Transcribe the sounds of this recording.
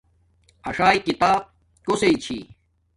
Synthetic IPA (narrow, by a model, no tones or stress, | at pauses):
ɐʂaːikit̪aːb̚ | koseit͡ɕʰiː